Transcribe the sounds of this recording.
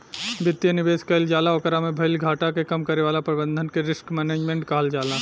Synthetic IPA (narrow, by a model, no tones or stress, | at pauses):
bɪt̪jənɪbeːskəɪld͡ʒaːlaɔkəɾamẽbʱɐɪlɡʱaːʈakekɐmkɐɾeʋaːlapɾɐbə̃nd̪ʱənkeɾɪskmɛːneːd͡ʒmẽːɳʈ̚kaɦəld͡ʒaːlãː